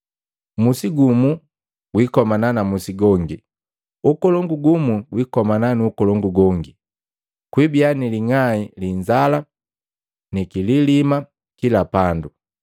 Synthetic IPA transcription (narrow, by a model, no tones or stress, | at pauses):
musiɡumu | ɡwikɔmananamusiɡɔŋɡi | ukɔlɔŋɡuɡumuɡwikɔmananiukɔlɔŋɡuɡɔŋɡi | kwibianiliŋailiɲd͡ʒala | nikililima | kilapandu